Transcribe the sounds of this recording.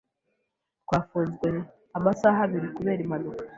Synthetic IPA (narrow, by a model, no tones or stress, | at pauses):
kwaːfuːnzɡwe̞ | amasaɦaβiɾikuβe̞ːɾimanukḁ